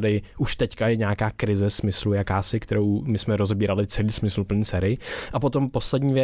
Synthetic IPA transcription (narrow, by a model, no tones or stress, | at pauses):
dɪʔuʃt̪ɛckajɛɲɛaːkaːkɾɪzɛsmɪslujakaːsɪkt̪ɛɾo̞wmɪsmɛɾo̞zɛbiːɾalɪt͡sɛliːsmɪsl̩pl̩ɲiːt͡sɛːɾɪʔapo̞t̪o̞mpo̞slɛdɲiːvjɛ